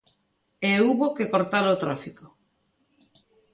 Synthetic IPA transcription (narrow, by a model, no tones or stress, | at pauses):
euβokekoɾt̪alot̪ɾafiko